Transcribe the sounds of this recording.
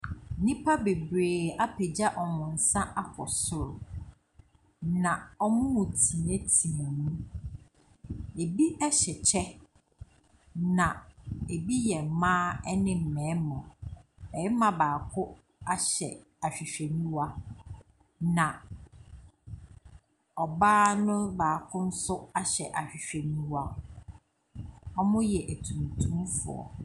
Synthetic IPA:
nĩ˦pʰa˦be˨bɾeː˨a˦pʰe˨d͡ʑa˦ʔɔ˨ŋʊ̃˨n̩˨sã˦ʔa˦kʰɔ̰˨sʊ˦ɾʊ˨ | nã˨ɔ˦mʊ̃˦mʊ̃˨tʰi˨nẽ˦tʰi˨mɔ̃˨nũ˦ | e˨bi˦ɛ˦ɕɛ˨t͡ɕʰɛ˦ | nã˨e˨bi˦jɛ˨m̩˨mãː˦ɛ˦nɪ̃˦m̩˨mɛ̃ː˨˦mɔ̃˨ɛ˨jɪ˦mã˨baː˨kʰʊ˦ | a˦ɕɛ̰˨ | a˨ɕᶣi˨ɕᶣe˨nĩ˦wa˦ | nã˨ | ɔ˨baː˦nʊ̃˦baː˨kʰʊ˦n̩˦sʊ˦a˦ɕɛ̰˨ʔa˨ɕᶣi˨ɕᶣe˨nĩ˦wa˦ | ɔ˦mʊ̃˦jɛ˨ʔæ˨tʰũ˨n˨tʰũ˦mfʊ̰˨ɔ̰˨

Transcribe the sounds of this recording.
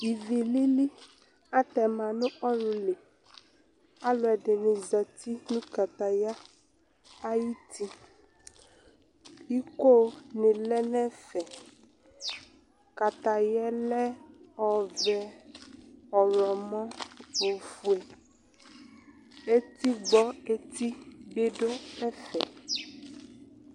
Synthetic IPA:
i˨vi˨li˦li˦ | a˦t̪ɛ˨mã˨nũ˦ʔɔ˦ɾu˨le˨ | a˦lɔ˨ɛ˨ɖe˨nĩ˨za˨t̪i˦nũ˦ka˨t̪a˨ja˦ | a˦ji˦t̪ʰi˦ | i˦ko˦nẽ˨lɛ˦nɛ˦fɛ˨ | ka˨t̪a˨jɛ˦lɛ˦ɔ˨vɛ˨ | ɔ˨lɔ˨mɔ̃˦fo˨fu˨e˨ | e˦t̪i˦ɡ͡bɔ˦e˦t̪i˦ɡ͡be˦ɖo˦ɛ˦fɛ˨

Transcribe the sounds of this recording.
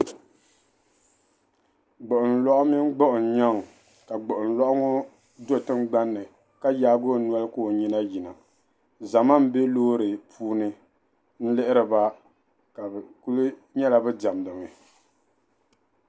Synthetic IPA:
ɡ͡bo˨ʔʊ˨n˨lɔ˦ʔʊ˦mi˦n˦ɡ͡bɔ˦ʔʊ˨n˨ɲa˦ŋ˨ | ka˨ɡ͡bʊ˨ʔʊ˨n˨lɔ˦ʔʊ˦ŋɔ˦ | do˦˨tɨ˦m˦ɡ͡ba˦nːɨ˨ | ka˦jaː˦ɡo˦n˦ɔ˦lɨ˦ko˦˨ɲi˦na˦ji˨na˨ | za˨ma˦m̩˦be˦loː˦ɾɨ˨pʰuː˦nɨ˦ | n̩˦lɪ˦ʔɪ˦ɾɨ˨ba˦ | ka˨bku˦lu˦ɲɛ˦la˨bɛ˦da˨m˨dɨ˨ŋɨ˨

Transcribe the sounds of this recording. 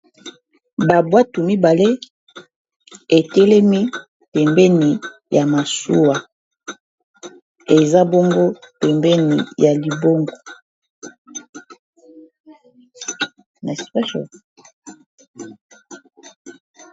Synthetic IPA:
ba˨bwa˦tu˨mi˦ba˨le˦ | e˨tɛ˦lɛ˦mi˦ | pɛ˨mbɛ˦ni˨ja˨ma˨su˦wa˨ | e˨za˦bo˦ŋɡo˦pɛ˨mbɛ˦nḭ˨ja˨li˨bo˦ŋɡo˨ | n˨pɛ˦ʃɔ̰˨

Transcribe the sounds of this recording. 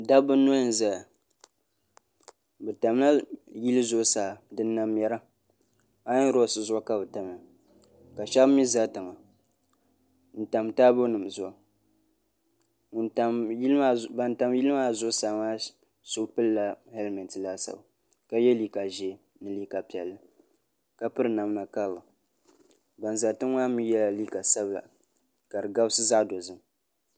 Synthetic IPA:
da˦bɨ˦nːo˦n̩˨za˨a˨ | bɛ˨ta˨m˦la˦ji˦lɨ˦zʊ˦saː˨dɨ˦nː˦a˦m˦jɛ˦ɾa˦ | a˦n˦ɾo˦˨sɨ˨zʊ˦a˦ka˦bɨ˨ta˨m˨a˨ | ka˨ʃa˦bmi˦za˦tɨ˨ŋa˨ | n̩˨ta˨mtaː˦bo˦nɨ˨m˨zʊ˦˨ʔa˨ | ta˨m˦ma˦ba˨n˨ta˨mji˦lɨ˦ma˦zʊ˦ʔsa˨ŋa˦ | sʊ˦pɨ˦lla˦hɛ˦lmɛ˨ntla˦sa̰˨ba˨ | ka˦jɛ˦li˦ka˨ʒɛ˨ | nɨ˦liː˦ka˨pi˨ɛ̰˨lːɨ˦ | ka˦pɨ˦ɾɨ˨na˨m˦na˨ka˦lɨ˨ | ba˨n˨za˨tɨ˦ŋ˦wa˦mi˦jɛ˦la˨li˦ka˨sa˦bla̰˨ | ka˨ɾɨ˨ɡa˦bsɨ˦za˦ʔdo˨zɨ˦m

